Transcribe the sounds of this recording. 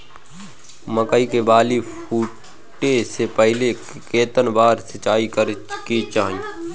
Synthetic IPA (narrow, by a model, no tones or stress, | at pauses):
məkəikebaːlipʰuː | ʈːesepəɦɪle | keːt̪ənbaːɾsət͡ʃaːikəɾkit͡ʃaːĩ